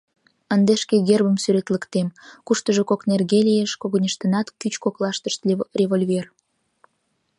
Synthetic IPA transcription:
ənd̪eʃkeɣerbəmsyɾet̪ləkt̪emkuʃt̪əʒokoknerɣelijeʃkoɣənʲəʃt̪ənɑt̪kyt͡ɕkoklɑʃt̪əʃt̪rʲevolʲvʲer

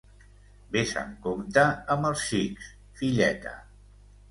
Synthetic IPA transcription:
besə̰ŋkomt̪əːməlˠsʃiks | fiʎɛt̪ə̰

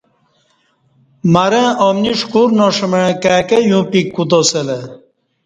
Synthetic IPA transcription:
maɾẽomniʂkuɾnoʂəmẽkaːkejũːpikːut̪osele

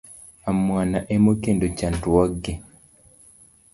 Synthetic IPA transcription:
amwanaʔemokendot͡ʃantwaɡːe

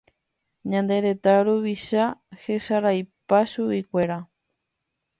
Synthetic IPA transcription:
ɲãnd̪e̞ɾe̞t̪aoɾuβiʃahe̞ʃaɾajpaʃuikʷe̞ɾa

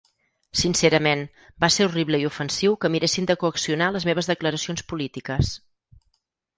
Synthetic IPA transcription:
sinseɾəmen | baseɾuriβləiufənsiwkəmiɾesind̪əkuəksiunaləzmeβ̞əzðəkləɾəsionspulit̪ikəs

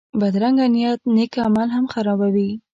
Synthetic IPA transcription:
bad̪ɾaŋɡanijat̪nekamalɦamxaɾɑbawi

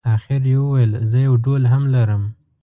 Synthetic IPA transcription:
axɪɾjewəwajəlzəjawɖolɦamlaɾəm

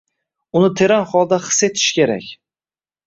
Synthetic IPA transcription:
ʊnɪt̪ʰe̞ɾanχɒlˠd̪aχɨ̥se̞t̪ʰɪ̥ʃkʲe̞ɾa̰kʲ

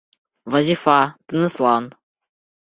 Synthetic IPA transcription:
vazʲifat̪ɨnɨslˠɑn

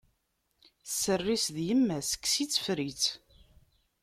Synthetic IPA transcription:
θsːərːisðjəmːæsə̥kːsit͡sːfɾit͡s

